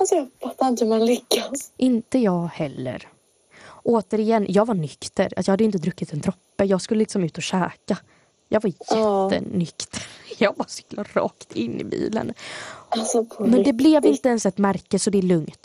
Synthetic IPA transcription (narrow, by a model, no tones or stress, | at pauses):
aspʰapːaɪnt̪manlʏkːasʔɪnt̪əjɑːɡhɛlːə̰ɾ | ʔoːt̪əɾɪjɛnːjɑːɡvaɳʏkt̪əɾa̰t̪jɑhad̪ːəɪnt̪̬əd̪ɾɵkːɪt̪ɛnt̪ʰɾɔpːəjɑːɡskɵlːəlɪksɔmʉ̟ːt̪ɔɕɛːka | jɑːɡvaɾjɛt̪ːə̰nʏkt̪ʰəɾjɑːɡbɑːɾsʏ̥klaɾɑ̰ːkt̪ʰɪnːɪ̰bḭːlə̰nasɔpʰɔmɛnd̪ɛblɛvɪnt̪əɛnsɛt̪mæɾkəsɔd̪ɛːɭɵŋt̪